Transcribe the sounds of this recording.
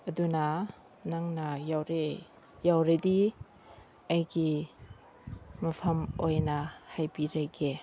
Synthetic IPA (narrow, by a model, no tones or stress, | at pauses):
ɐdunɐ | naŋnɐjawɾe | jawɾedi | ɐjɡi | mɐpʰɐmojnɐhajbiɾaɡe